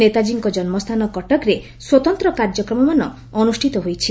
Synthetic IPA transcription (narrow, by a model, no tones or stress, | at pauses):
et̪ad͡ʒiŋkɔd͡ʒɔnmɔst̪ʰanɔkɔʈɔkɾe | swɔt̪ɔnt̪ɾɔkaɾd͡ʒɔkɾɔmɔmanɔː | nusʈʰit̪ɔɦojt͡ʃʰi